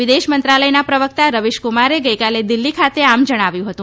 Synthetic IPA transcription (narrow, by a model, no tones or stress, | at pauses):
ʋɪd̪eʃmənt̪ɾaləjnapɾəʋək̚t̪aɾəʋiʃkumaɾeɡəjkaled̪ilːikʰat̪eamd͡ʒəɽ̃aʋjũɦət̪ũ